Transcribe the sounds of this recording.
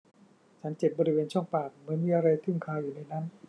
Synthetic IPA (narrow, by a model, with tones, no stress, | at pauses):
t͡ɕʰa˦˥nt͡ɕe˨˩t̚bɔː˧ɾi˦˥weː˧nt͡ɕʰɔ˥˩ŋpaː˨˩k̚mɯ˨˩˦nmiː˧ʔa˧ɾa˧jt̪ʰɯ˥˩ŋkʰaː˧wjuː˨˩na˧jna˦˥n